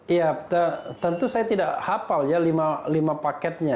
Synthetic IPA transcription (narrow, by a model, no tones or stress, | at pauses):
jaət̪ənt̪usajat̪idaʔhapaljalimalimapakɛt̪̚ɲa